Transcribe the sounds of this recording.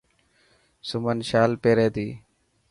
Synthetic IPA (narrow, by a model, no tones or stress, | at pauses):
sʊmənʃaːlpeːɾeːd̪iː